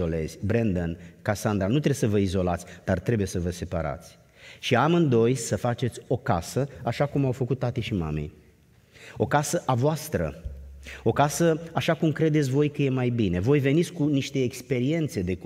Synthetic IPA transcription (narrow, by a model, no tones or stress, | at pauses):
ole̞̰z̥ʲbɾend̪ənkasand̪ɾanut̪ɾesəvəizo̞lat̪sʲd̪̥art̪ɾe̞buje̞səvəse̞pa̰ɾa̰t̪sʲ | ʃiamɨnd̪o̞jsəfat͡ʃe̞t̪sʲo̞kasəaʃakumawfəkut̪̚t̪ːat̪ijʃima̰mḛj | o̞kasəʔavoast̪ɾə̰ | o̞kasəaʃakumkɾe̞d̪e̞t̪sʲvo̞jkəje̞majbine̞vo̞jve̞nit̪sʲkuniʃt̪e̞ːkspe̞ɾie̞nt̪se̞d̪e̞k